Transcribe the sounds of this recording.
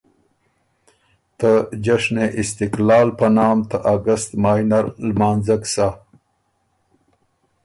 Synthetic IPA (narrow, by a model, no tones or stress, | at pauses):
t̪əd͡ʒaʂneʔist̪ɪklɑːlpɐnɑːmt̪aʔaɡɐst̪maːjnaɾlmaːnzɐksa